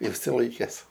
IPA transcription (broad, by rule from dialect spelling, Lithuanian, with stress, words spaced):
ɪʃʲsʲɪˈlˠɐɪkʲɛs